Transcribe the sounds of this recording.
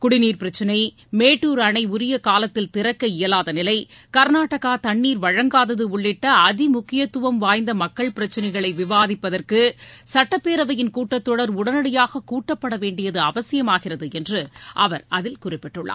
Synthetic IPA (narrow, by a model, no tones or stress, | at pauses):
kʊɽɪniːɾpɪɾɐt͡ʃːɪnɐɪ | meːʈːuːɾɐɳɐɪʊɾɪjɐkaːlɐt̪ːɪlt̪ɪɾɐkːɐɪjɐlaːðɐnɪlɐɪkɐɾnaːʈːɐɣaːt̪ɐɳːiːɾʋɐɻɐŋɡaːðɐðɯʊɭːɪʈːɐːðɪmʊkːɪjɐt̪ːʊʋɐmʋaːjnd̪ɐmɐkːɐɭpɪɾɐt͡ʃːɪnɐɪɣɐɭɐɪʋɪʋaːðɪpːɐðɐrkɯsɐʈːɐpːeːɾɐʋɐjɪnkuːʈːɐt̪ːɔɽɐɾʊɽɐnɐɽɪjaːɣɐkuːʈːɐpːɐɽɐʋeːɳɖɪjɐðɯɐʋɐsɪjɐmaːɣɪrɐðɯɛndrɯʔɐʋɐɾʔɐðɪlkʊrɪpːɪʈːɯɭːʔa̰ː